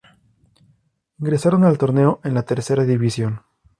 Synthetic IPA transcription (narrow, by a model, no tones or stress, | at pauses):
iŋɡɾe̞saɾo̞nalt̪o̞ɾne̞o̞ʔe̞nlat̪e̞ɾse̞ɾaðiβisjo̞n